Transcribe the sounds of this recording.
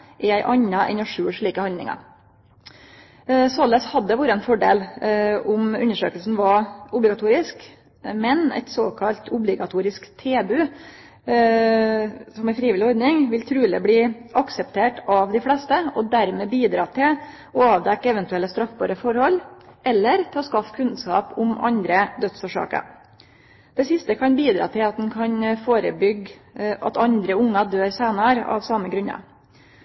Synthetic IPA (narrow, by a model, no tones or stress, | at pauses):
ʔɪæɪʔɑɲːɑʔɛ̰nɔʂʉːʂɭiːkəhɑnd̪ɪ̰ŋɑ̰ɾ | sɑləshɑd̪ːəʋuːɾəɛnfɔɖḛːlʊmʉ̰nːəʂøːkəlsn̩ʋɑʊblɪɡɑt̪ʰuːɾɪsk | mɛnæ̰ɪt̪soːkʰɑlt̪ʰʊblɪɡɑt̪ʰuːɾɪskt̪ʰeːbʉ | sɔmæɾfɾiːʋɪlːɪɔɾd̪nɪŋʋɪlt̪ʰɾʉːlə̰bliːʔɑksɛpt̪ʰeːʈɑʋd̪ɪflɛst̪əɔd̪æɾmɛːbiːd̪ɾɑːt̪ʰɪl | ɔɑːʋd̪ɛkːɛʋɛnt̪ʉɛlːəst̪ɾɑfbɑɾəfɔɾhɔlːʔɛlːəɾt̪ʰɪlɔskɑfkʰʉnskɑ̰ːpʊmɑ̰nd̪ɾəd̪œt̪soːʂɑ̰ːkə̰ | d̪̥ɛsɪst̪əkʰɑnbiːd̪ɾɑ̰ːt̪ʰɪlɑt̪̚d̪ɛnkʰɑnfoːɾə̰bʏɡʔɑ̰t̪ɑnd̪ɾəʊŋːɑd̪øːɾseːnɑɾɑ̰ʋsɑməɡɾʉɲɑ̰